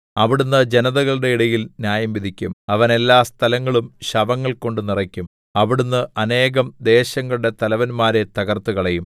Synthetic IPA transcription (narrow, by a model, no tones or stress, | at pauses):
ɐʋiɽunːɨd͡ʑe̞nɐðɐɣɐɭɨɽe̞iɽɐjilnjaːjɐmʋiðʱikʲːumɐʋɐne̞lːaːst̪ʰɐlɐŋːɐɭumɕɐʋɐŋːɐɭko̞ɳɖɨnirɐkʲːum | ɐʋiɽunːɨɐne̞ːɣɐmd̪e̞ːɕɐŋːɐɭuɽe̞t̪ɐlɐʋɐnmaːɾet̪ɐɣɐrt̪uɣɐɭejum